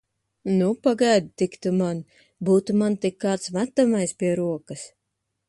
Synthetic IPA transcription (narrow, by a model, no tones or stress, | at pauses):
nupaɡajd̪t̪ikt̪uman | buːt̪umant̪ikːaːt̪smæt̪amajspʲiɛɾuɔkɐs